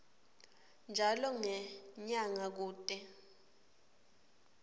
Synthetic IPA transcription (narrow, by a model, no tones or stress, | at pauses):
nd͡ʒʱalɔŋɛɲaŋak̬uːtʼɛ